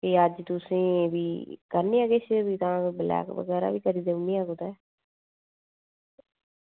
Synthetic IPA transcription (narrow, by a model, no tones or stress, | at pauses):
kiːəd͡ʒt̪ʊsĩːʋiːkəɾniːaɡeːt͡ʃbiːt̪ãːbəlɛ̰ːkʋə̰ɡɛːɾa̰ːʋiːkəɾiːd̪eʊmĩːaːɡod̪ɛː